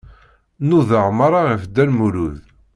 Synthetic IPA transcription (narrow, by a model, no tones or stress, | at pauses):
nuðəʁmaɾˤaʁəfd̪ælmuluð